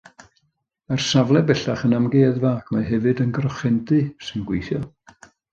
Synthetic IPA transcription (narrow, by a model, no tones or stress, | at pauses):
arsavlˠɛbɛɬaχənamɡeːðvaːkʰmaɦɛvɨdənɡrɔχɛndɨsɨnɡwejθjɔ